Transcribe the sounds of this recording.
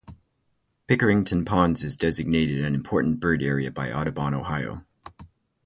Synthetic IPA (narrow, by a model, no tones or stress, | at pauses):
pʰɪkə˞ɪ̃ŋtʰɨ̃npʰɑ̃ndzɨzdɛzɨɡ̚neɪɾɨɾɨ̃nɨ̃mpʰɔɹʔn̩b̥ɜ˞ɾɛɹiɨbaɪʔɑɾɨbɑ̃ñoʊhaɪo̰ʊ